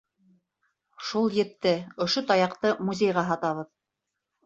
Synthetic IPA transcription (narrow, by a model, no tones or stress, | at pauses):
ʃulˠjɘ̆t̪ːɘŏʃot̪ɑjɑqt̪ɤmuzʲejʁɑɦɑt̪ɑβɤð